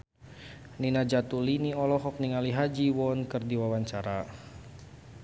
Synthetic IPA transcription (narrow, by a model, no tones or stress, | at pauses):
ninad͡ʒat̪uliniɔlɔɦɔk̚niŋaliɦad͡ʒiwɔnkɨrdiwawaɲt͡ʃaɾa